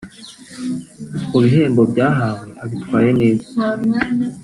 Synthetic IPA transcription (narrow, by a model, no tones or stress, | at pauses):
kuβiɦeːmbo̞bɟaːɦaːweʔaβitwaːje̞neːzḁ